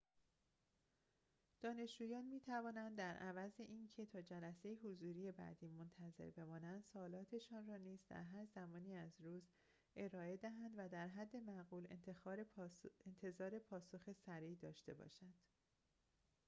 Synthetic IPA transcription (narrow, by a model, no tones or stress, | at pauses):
d̪̥ɒːne̞ʃd͡ʒuːjɒːnmiːt̪ʰævɒːnænd̪ːæɾʔævæzeʔiːncʰe̞t̪ʰɒːd͡ʒælæse̞jiɦozuːɾije̞bæ̰d̪iːmont̪ʰæze̞̰ɾbe̞mɒːnænd̪sɒːlɒːt̪ʰe̞ʃɒːnrɒːniːzd̪æ̰ɾɦæɾzæmɒːniːæzɾuːz | ʔe̞ɾɒːe̞d̪æɦænd̪væd̪æɾɦæd̪ːe̞mæɣuːlḛnt̪ʰexɒːɾeent̪ʰe̞zɒːɾe̞pʰɒːso̞xe̞sæɾiːd̪ɒ̰ːʃt̪e̞̰bɒ̰ːʃænd̪̥